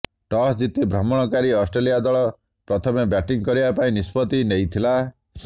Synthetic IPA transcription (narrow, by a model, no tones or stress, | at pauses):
ʈɔsd͡ʒit̪ibʱɾɔmɔɽ̃ɔkaɾiɔsʈɾelijad̪ɔɭɔ | pɾɔt̪ʰɔmebjaʈiŋkɔɾibapaĩnispɔt̪inejt̪ʰila